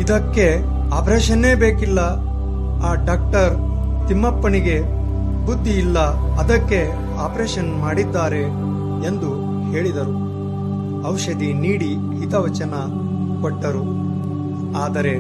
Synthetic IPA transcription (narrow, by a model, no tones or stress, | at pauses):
id̪ɐkːe̞ | aːpɾeːʃɐne̞ːbe̞ːkilːɐ | aːɖaːk̚ʈɐɾ | t̪imːɐpːɐniɡe̞ | bud̪ʱːiːlːɐɐd̪ɐkːe̞ | aːpɾeːʃɐnmaːɽid̪ːaːɾe̞ː | nd̪u | he̞ːɭid̪ɐɾu | ɐwʃɐd̪iniːɽi | hit̪ɐʋɐt͡ʃɐnɐ | kɔʈːɐɾu | aːd̪ɐɾe̞